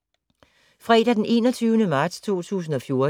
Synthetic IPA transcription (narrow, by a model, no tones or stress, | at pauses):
fʁɛːd̥æd̥ene̝̰ːnɒ̽t͡sʰyːʊnəmɑ̈ːd̥st͡sʰo̝̰ːt͡sʰṵːs̬n̩ɒ̽fjo̝ɐ